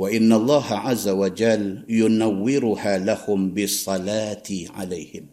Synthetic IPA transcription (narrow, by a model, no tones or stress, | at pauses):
waʔɪnːalˤːɑːhaʕazːawad͡ʒaljʊnawːɪɾʊhaːlahʊmbɪsˤːɑlaːt̪ʕa̰lajhɪm